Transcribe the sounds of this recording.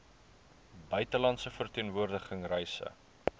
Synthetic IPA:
bœɥtəlɐntsəfərtiənvuərdəχəŋrɛjsə̰

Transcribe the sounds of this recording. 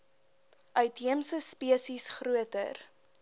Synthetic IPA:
ʔœɥtɦiəmsəspiəsisχruətə̰r

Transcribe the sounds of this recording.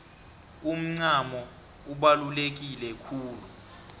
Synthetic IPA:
um̩ŋ͡ǀamɔ | uɓalulek̬ilɛkʰuːlu

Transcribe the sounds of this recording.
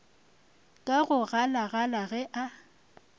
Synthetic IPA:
kʼaɣʊɣalaɣalaɣɛʔa

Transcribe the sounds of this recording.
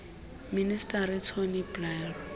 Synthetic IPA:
ministʼaɾɪtʰoniblɛl

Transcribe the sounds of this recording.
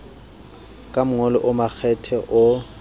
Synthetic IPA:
kʼamʊŋɔlɔʔʊmak͡xʰɛtʰɛʔʊ

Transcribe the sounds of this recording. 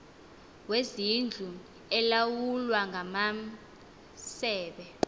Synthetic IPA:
wezind͡ɮʱu | ɛlawulwaŋʱama | sɛːɓɛ

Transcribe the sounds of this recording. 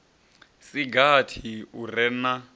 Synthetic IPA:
siɡatʰiurɛna

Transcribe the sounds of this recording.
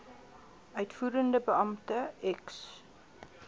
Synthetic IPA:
œɥtfuːɾəndəbəɐmtəɛks

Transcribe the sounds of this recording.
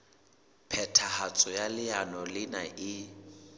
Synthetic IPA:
pʰɛtʰahat͡sʼɔjalɪanɔlɪnaʔɪ

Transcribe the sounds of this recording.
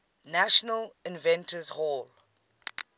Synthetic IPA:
naʃɔnəlɪ̃nvɛ̃ntʰəzhɔl

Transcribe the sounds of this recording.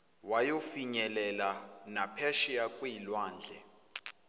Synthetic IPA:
wajofiɲɛlɛla | napʰɛʃijakʼwiːlwaːnd͡ɮʱɛ̰

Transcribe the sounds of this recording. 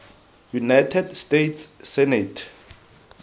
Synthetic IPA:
junajtʰɛdstetʰssɛnɛtʰ

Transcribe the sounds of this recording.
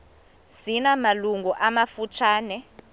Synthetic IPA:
sinamaluŋɡʱuʔamafut͡ʃʰaːnɛ

